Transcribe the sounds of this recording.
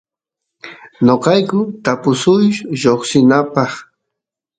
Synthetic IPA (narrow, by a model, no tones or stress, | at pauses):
noqɑjkʊt̪apʊsʊjʃʒoχsɪnapɑχ